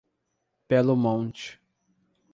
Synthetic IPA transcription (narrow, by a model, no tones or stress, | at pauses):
pɛlʊmõt͡ʃɪ̥